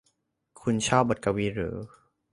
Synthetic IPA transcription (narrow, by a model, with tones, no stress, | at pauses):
kʰu˧nt͡ɕʰɔː˥˩p̚bo˨˩t̪̚ka˧wiː˦˧˥ɾɯ̰ː˩˦